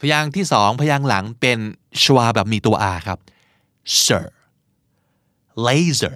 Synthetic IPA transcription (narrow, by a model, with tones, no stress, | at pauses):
pʰa˧jaː˧ŋt̪ʰiː˥˩sɔː˩˦ŋpʰa˧jaː˧ŋla˩˦ŋpe˧nɕʰwaː˧bɛː˨˩p̚miː˧t̪u˧ɐʔaː˧kʰɾa˦˥p̚ | sə̰ː˨˩ | le˧˥sə˨˩